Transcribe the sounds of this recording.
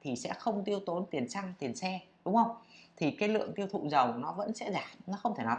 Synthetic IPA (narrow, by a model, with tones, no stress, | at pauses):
t̪ʰi˨˩sɛ̰˧˥xə˧wŋ͡mt̪i˧əwt̪o˨˦nt̪i˨˩ənt͡ɕa˧ŋt̪i˨˩ənsɛ˧ɗʊ˨˦ŋ͡mhə˧wŋ͡mt̪ʰi˨˩kaː˨˦jlɨ̰˧˨əŋt̪i˧əwt̪ʰṵ˧˨zə˨˩wnɔ˨˦və̰˧˥nsɛ̰˧˥zaː˨˩mnɔ˨˦xə˧wŋ͡mt̪ʰe˧˩na˨˦